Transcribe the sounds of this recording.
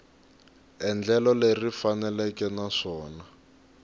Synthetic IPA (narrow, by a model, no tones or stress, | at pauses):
ɛnd͡ɮɛlɔlerifanɛlɛkɛnaʂɔːna